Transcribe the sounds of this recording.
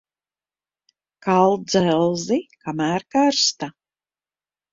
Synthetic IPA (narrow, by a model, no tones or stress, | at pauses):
kalˠd̪zɛlˠzikʰamæːɾkaɾst̪a